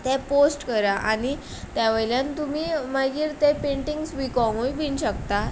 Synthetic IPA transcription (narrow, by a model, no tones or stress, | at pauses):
t̪ɛ̃posʈkəɾaʔañi | t̪jaʋəjljant̪umimaɡiːɾt̪epeɳʈiŋɡsʋikɔ̃ŋõibinɕəkt̪a